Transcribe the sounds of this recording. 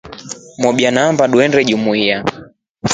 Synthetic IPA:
mɔɓianaːmbaɗuɛnɾɛʄumuia

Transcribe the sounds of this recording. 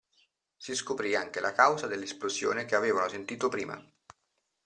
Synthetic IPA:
siskopɾiaŋk̟elʔakawzad̪elːesplozjo̰ːnekeaveːvanosent̪iːt̪opɾḭːma̰

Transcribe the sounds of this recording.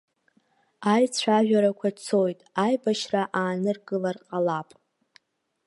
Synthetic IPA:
ajt͡sʷʰaʒᶣaɾakʷʰat͡sʰo̞jtʼajbaʃraʔaːnɨrɡɨlarqʼalapʼ

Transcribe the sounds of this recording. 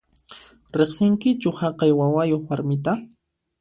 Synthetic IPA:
ɾeχsɪŋkɪt͡ʃʊhɑqɑjwawajoχwaɾmɪt̪a

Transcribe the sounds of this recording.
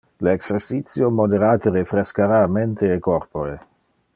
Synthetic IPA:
leɛkseɾsit̪sjomod̪eɾaːt̪eɾefɾeskaɾaːment̪eekorpoɾe

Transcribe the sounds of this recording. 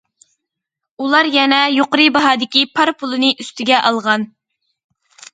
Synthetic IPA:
ulˠɑɾjɛnɛjoqəɾɨbɑɦɑːd̪ɪkʲipʰɑɾpʰʊlˠɨnɨʔyst̪ɪɡʲɛʔɑlˠʁɑn

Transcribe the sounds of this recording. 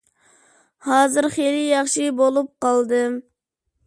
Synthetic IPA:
hɑːzɨɾχelɪjɑχʃɨbolˠup̚qɑlˠd̪ɨm

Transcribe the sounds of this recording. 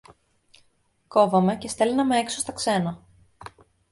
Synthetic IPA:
ko̞vɐme̞ce̞st̪e̞lnɐmeeksost̪ɐkse̞nɐ

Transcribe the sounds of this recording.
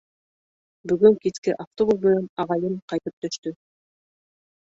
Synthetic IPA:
bɵ̆ɡɵŋkiskɘʔaft̪obuzmɘ̆nænɑʁɑjɤɴqɑjt̪ɤp̚t̪ɵ̆ʃt̪ɵ

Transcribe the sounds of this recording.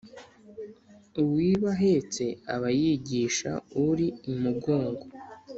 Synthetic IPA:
uwiːβaɦe̞t͡se̞a̰βajiɟiːʃa̰uɾiumuɡo̞ːŋɡo

